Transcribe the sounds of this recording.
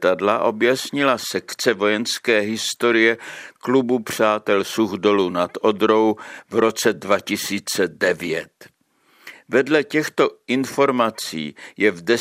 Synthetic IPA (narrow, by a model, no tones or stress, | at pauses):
t̪adlaʔo̞bjasɲɪlasɛkt͡sɛvo̞jɛnskɛːɦɪst̪o̞ɾɪjɛklubupr̝̥aːt̪ɛlsuɣdo̞lunat̪odɾo̞wvɾo̞t͡sɛdvacɪsiːt͡sɛdɛvɪjɛ̰t̪ | vɛdlɛcɛxt̪o̞ʔɪnfo̞ɾmat͡sḭːjɛvdɛ